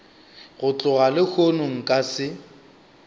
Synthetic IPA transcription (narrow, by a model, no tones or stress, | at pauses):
ɣʊt͡ɬʼʊɣalɪhʰonʊŋ̩kʼasɪ